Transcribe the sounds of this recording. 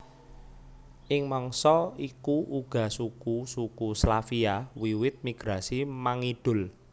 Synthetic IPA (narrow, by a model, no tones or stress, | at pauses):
ʔɪŋmɔŋsɔikuʔuɡ̥ä̤sukusukuslafiawiwɪt̪̚miɡ̥ɾasimaŋiɖ̥ʊ̤l